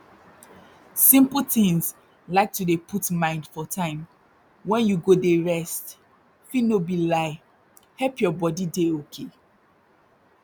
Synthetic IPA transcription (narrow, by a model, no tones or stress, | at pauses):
sĩmpəl̩tĩŋs | laɪk̚tudepʰutmãɪ̃ndfɔtʰãɪ̃m | wɛ̃njuɡodeɹɛst | finobilaɪ | hɛlpjɔbɔdideokʰe